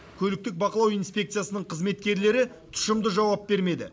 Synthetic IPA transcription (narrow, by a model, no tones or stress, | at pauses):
kʲʰɵlɪk̚t̪ɪk̚bɑqəlˠɑwijnspʲe̞k̚t̪sɨjasənəɴqʰəzme̞t̪kʲe̞ɾle̞ɾɪt̪ʰʊ̥ʃəmd̪əʒɑwɑp̚be̞ɾme̞d̪ɪ